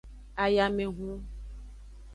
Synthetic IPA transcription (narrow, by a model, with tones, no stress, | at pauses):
a˨ja˨mẽ˨ɦũ˦